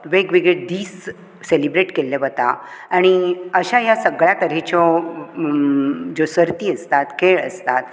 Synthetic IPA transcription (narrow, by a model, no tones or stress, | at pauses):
ʋeɡʋiɡɭed̪iːs | selibɾeʈkelːeʋət̪a̰ | aɽ̃iəɕajasəɡɭjat̪əɾɛt͡ɕɔ | d͡zosəɾt̪iːəst̪at̪keɭə̰st̪at̪̚